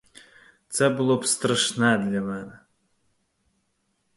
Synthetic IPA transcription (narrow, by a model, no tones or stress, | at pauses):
t̪sɛbɨlˠɔpst̪ɾɐʂnɛd̪lʲamɛnɨ